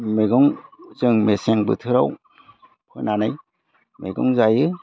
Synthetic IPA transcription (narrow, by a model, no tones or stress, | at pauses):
meɡɔŋzɯŋmeseŋbɯ̰tʰɯɾaw | pʰɯ̰nanɯj | mḛɡɔ̰ŋzajɯ